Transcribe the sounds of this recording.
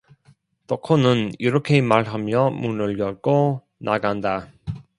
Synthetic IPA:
tokʰonɯniɾʌkʰe̞maɭɦamjʌmunɯɭjʌk͈o | nʔaɡanda

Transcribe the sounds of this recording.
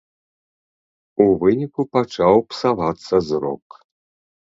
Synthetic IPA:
uvɨnʲikupat͡ʂawpsavat̪sːɐzrɔ̰k

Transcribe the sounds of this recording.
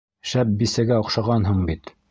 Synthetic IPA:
ʃæp̚bisæɡæŏqʃɑʁɑnɦɤɴbit̪

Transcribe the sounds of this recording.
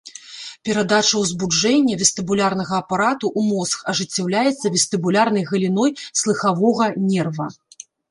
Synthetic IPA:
pʲɛɾad̪at͡ʂɐwzbud͡ʐɛnʲːɐvʲɛst̪ɨbulʲarnɐɣɐːpaɾat̪uʔumɔskɐʐɨt͡sʲːawlʲajɛt̪sːɐvʲɛst̪ɨbulʲarnɐjɣɐlʲinɔjslˠɨxavɔɣɐnʲɛrvɐ

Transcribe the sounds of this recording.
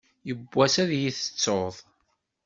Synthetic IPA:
jəbːæsæðjiθə̥t͡sːoðˤ

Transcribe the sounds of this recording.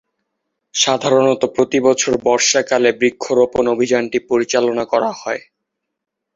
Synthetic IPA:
ʃad̪ʱaɾonɔt̪opɾot̪ibɔt͡ɕʰoɾbɔɾʃakalebɾikʰːoɾoponobʱid͡ʑanʈipoɾit͡ɕalonakɔɾahɔe

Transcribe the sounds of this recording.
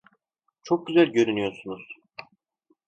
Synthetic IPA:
t͡ʃʰok̚ɟyzælʲɟø̞ɾynyjo̞ɾsunuz̥

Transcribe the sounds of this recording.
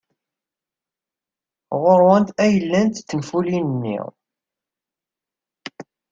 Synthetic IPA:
ʁʊɾwənt̪æjəlːænt̪θənfulinənːḭʁ

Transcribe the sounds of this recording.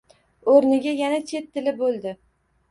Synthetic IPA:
oɾnɪɡʲajanat͡ʃʰe̞t̪ʰːɪlɪbolˠd̪ɪ

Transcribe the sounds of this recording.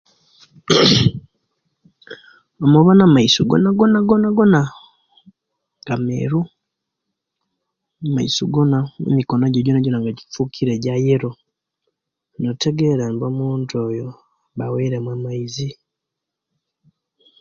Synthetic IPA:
omuβonamaisoɡo̰naɡonaɡonaɡona | ŋɡamḛɾu | amaḭsoɡonamṵmikonoɟoɟonaɟonaŋɡaɟifukʰiɾeɟajeɾo | notʰeɡeɾanbomuːndojo | βaweɾemwamaizi

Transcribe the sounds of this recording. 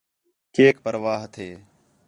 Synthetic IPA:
keːkpəɾʋaːɦt̪ʰeː

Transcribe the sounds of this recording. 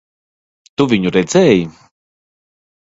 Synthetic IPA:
t̪uvʲiɲuɾɛd̪zɛːji

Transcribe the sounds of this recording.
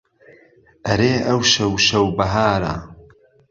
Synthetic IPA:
ʔɐɾeːʔɐwʃɐwʃɐwbɐɦaːɾɐ̰

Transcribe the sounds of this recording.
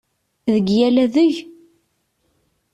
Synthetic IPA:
ðəɡjælæðəʝ

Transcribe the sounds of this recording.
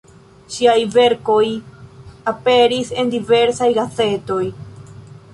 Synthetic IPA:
ʃiajve̞ɾko̞j | ape̞ɾise̞ndive̞ɾsajɡat͡se̞to̞j

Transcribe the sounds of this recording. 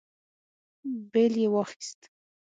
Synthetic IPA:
beljewɑxi̥st̪

